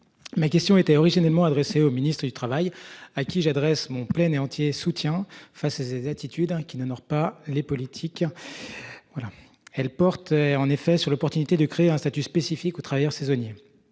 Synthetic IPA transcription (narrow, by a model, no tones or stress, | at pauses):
makʲɛst̪jɔ̃et̪ɛɔʁiʒinalmɑ̃ad̪ʁeseominist̪χəd̪yt̪χavajakʲiʒad̪ʁɛsmɔ̃plɛneɑ̃t̪ʰjesut̪jɛ̃fasazezat̪ʰit̪ʰyd̪ɛ̃kʲinɔnɔʁpalepɔlit̪ʰik | vwala | ɛlpɔʁt̪ɑ̃nefɛsyʁlɔpɔʁt̪ynit̪ed̪əkχeɛ̃st̪at̪yspesifikot̪χavajœʁsɛzɔnje